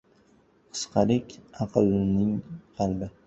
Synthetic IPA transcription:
qʰɨ̥sqʰɑlɪkʲɑqʰɨlnɪŋqʰɑlˠbɪ

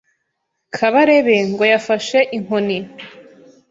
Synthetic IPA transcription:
kʰaβaɾeβeŋɡo̞jafaʃeʔiŋ̥honi

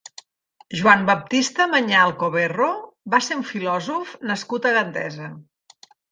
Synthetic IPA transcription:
ʒuambəp̚t̪ist̪əməɲalˠkoβerobaseuɱfilɔzufnəskut̪əɣənd̪ɛ̰zə

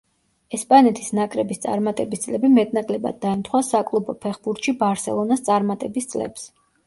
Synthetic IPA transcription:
ɛspʼanɛt̪ʰi̥snakʼɾɛbist̪sʼa̰ɾmat̪ʼɛbist̪sʼlɛbimɛt̪ʼnakʼlɛba̰d̪̚ːaɛnt̪ʰχwasakʼlˠubɔpʰɛχbuɾt̪ʃibaɾsɛ̰lˠɔnast̪sʼaɾmat̪ʼɛbist̪sʼlɛ̰ps

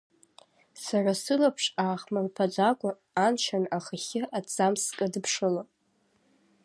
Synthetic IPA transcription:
sarasɨlapʰʂaːχmalpʰad͡zʷakʷʼʊ | ant͡ʃʰanaχaχʲɪat͡sʼamskʼadɨpʰʂɨlo

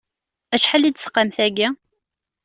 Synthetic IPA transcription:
æʃħalːid̪sə̥qːəmθæɡæ

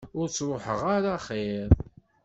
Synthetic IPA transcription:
ʊɾt͡sːɾoħəʁaɾaχeɾˤ

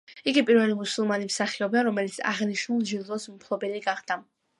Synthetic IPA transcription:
iɡipʼiɾvɛlimusulˠmanimsaχiɔb̪aɾɔmɛlit̪sʰa̰ʁniʃnulˠʒiɾd̪ɔsmpʰlˠɔbɛliɡaχd̪̥a

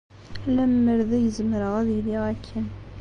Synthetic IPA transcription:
læmːəɾðæjəzməɾəʁæðiliʁækʰːæn

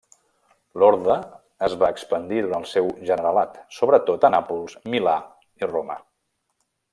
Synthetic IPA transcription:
loɾðəː | zβaəkspənd̪iðuɾanlˠsɛwʒənəɾəlat̪soβɾət̪ot̪ənapulˠsmila | iromə̰

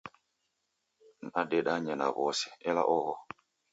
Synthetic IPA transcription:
naɗɛɗaɲɛna̰βɔsɛ̥ɛla̰ʔɔɣɔ

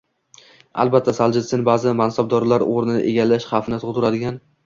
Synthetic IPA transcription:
a̰lˠbat̪ʰːasald͡ʒɪsɪnbaːzɪmansab̚d̪ɒɾlaɾoɾɪnɪnɪ̰ʔeɡʲalːaʃχɑfɪnɪt̪ʰʊʁt̪ʰʊɾad̪ɪɡʲan

